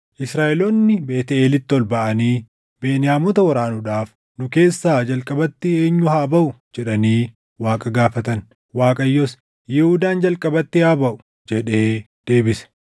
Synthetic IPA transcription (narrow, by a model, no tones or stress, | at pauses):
ʔɪsɾaːʔɛlɔnːɪbeːt̪ɛeːlɪt̪ːɪɔlbɐʔɐniː | beːnɪjaːmɔt̪ɐwɐɾaːnʊᶑaːf | nʊke̞ːsːaːd͡ʒɐlkʼɐbɐt̪ːɪe̞ːɲːʊhaːbɐʔʊ | d͡ʒɛᶑɐniː | waːkʼɐɡaːfɐt̪ɐn | waːkʼɐjːɔs | jɛhud̪aːnd͡ʒɐlkʼɐbɐt̪ːɪaːbɐʔʊ̥ | d͡ʒɛᶑe̞ː | d̪̥e̞ːbɪsɛ̥